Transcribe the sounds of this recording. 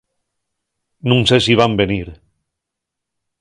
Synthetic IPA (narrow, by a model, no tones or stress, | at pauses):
nũŋsesiβ̞ambeniɾ